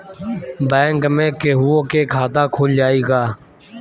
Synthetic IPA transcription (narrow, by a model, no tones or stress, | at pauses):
bɛ̃ːŋkmẽːkeːɦʊõːkeːkʰaːt̪ãːkʰoːld͡ʒaːiːɡaː